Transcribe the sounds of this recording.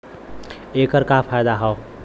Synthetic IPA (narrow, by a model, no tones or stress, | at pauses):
ekəɾkapʰajd̪aɦʌw